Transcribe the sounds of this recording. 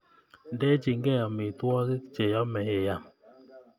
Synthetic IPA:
n˦dɛ˦d͡ʒi˨ŋ˦ɡɛ˦˨jɔ˨mi˨t̪wɔ˦ki˦t͡ʃe˨jɔ˦mɛ˨˦je˨ja˨m

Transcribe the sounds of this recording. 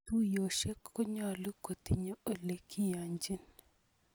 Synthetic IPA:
tu˦jo˨ʃe˦kʰːɔ˦ɲɔ˨lʊ˦ko˨t̪i˨ɲo˦ʔo˨le˨kʰi˦ja˨ɲd͡ʒi˦n

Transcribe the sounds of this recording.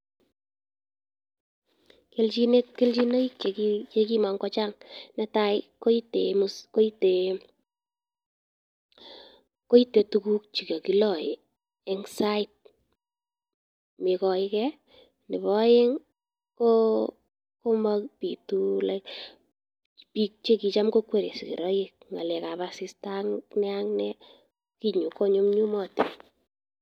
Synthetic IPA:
ke˦lt͡ʃi˦ne˦t̚ke˦lt͡ʃi˦na˦i˦k̚t͡ʃe˨ki˦t͡ʃe˦ki˦ma˨ŋkɔ˦t͡ʃa˦ŋnɛ˦ta˦ɪko˦i˦te˨musko˦i˦te˨ | ko˦i˦te˨tu˦ku˦k̚t͡ʃi˨ko˨ki˦lɔ˨ɪ̰˨ | ɛ˦ŋsa˦ɪ˦t̚ | mɪ˨kɔ˨ɪ˦kɛ˦ | nɪ˨bɔ˦je˦ŋ | ko˦ | ko˦makpi˨tu˦lɛk | pi˦k̚t͡ʃe˦ki˧t͡ʃa˦mko˦kwe˦ɾḛ˨si˨kḭ˨ɾɔ˦ji˦k̚ŋa̰˨lɛ˨ka˨pa˨si˦staŋnɛ˦aŋnɛ˦ | ki˦ɲu˨ko˦ɲo˦mɲu˦mɔ˦ti˨

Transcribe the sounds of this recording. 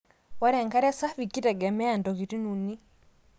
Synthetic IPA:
wa˦ɾɛ˨ŋka˦ɾɛ˦sa˦fi˨ki˦tɛ˨ɡɛ˨mɛ˦a˨ndɔ˨ɣi˨ti˦nu˨ni˦

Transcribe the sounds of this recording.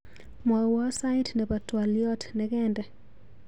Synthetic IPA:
mɔ˨wɔ˦sa˦ɪtnɛ˨pa˨twaljɔ˦tnɛkɛndɛ˨

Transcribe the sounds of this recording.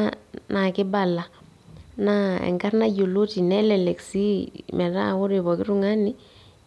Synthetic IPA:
na˨kɪ˦ba˨la˨ | naɛ̰˨ŋka˦ɾna˦ɟo˨lo˦ti˨nɛlɛlɛ˨ksi˦mɛ˨ɾa̰˦ʊ˦ɾɪβɔ˨kɪ˦ɾu˦ŋa˦ni˦

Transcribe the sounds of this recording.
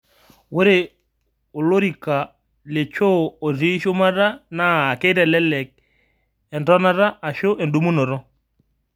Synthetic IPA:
wo˦ɾe˨ | o˨lo˦ɾi˨ka˨ | le˨t͡ʃo˦o˨zi˦ʃo˦ma˦ɾa˦naː˦˨ke˦ɾɛ˨lɛ˦lɛ˨k̚ | ɛ˨ndɔ˦na˦ɾa˦a˨ʃo˦ʔe˨ndu˦mu˦nɔ˨ɾɔ˦

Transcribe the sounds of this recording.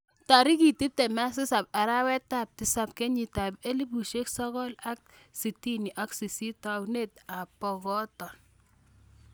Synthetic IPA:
ta˨ɾi˦ki˨ti˦p̚te˨ma˦s̬ɪ˦sa˨p̚a˨ɾa˦wɛ˦ta˦˨p̚tɪ˨˦sa˦p̚ke˦ɲi˨ta˨pe˦li˦bu˨ʃe˦ksɔ˦ɣɔ˦la˦k̚ | si˨ti˦ni˨ʔa˦ksi˨si˦ta˨wne˦˨ta˨pɔ˨ɣɔ˦tɔ˨n

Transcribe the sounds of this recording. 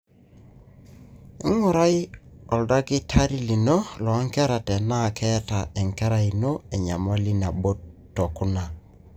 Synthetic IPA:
i˦ŋu˨ɾa˦jɔ˨lda˦kɪ˦tʰa˦ɾi˦li˨no˦lɔ˨a˦ŋkɛ˦ɾa˨tɛ˨na˦˨kʰɛ˦ta˨ʔɛ˨ŋkɛ˦ɾa˦i˨no˦ɛ˨ɲa˨mɔ˦li˦na˨bo˦tːo˨ku˦na˨

